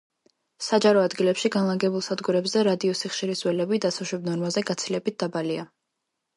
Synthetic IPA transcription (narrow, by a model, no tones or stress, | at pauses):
sad͡ʒaɾɔad̪ɡilɛpʃiɡanlˠaŋɡɛbulˠsad̪ɡuɾɛbzɛɾad̪iɔsiχʃiɾiswɛlɛbid̪asaʃɛbnɔɾmazɛɡat̪sʰilɛbit̪̚d̪abalia